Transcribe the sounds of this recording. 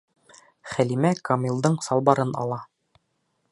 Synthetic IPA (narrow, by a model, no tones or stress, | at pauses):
χælimækɑmʲilˠd̪ɤɴsɑlˠbɑɾɤnɑ̰lˠɑ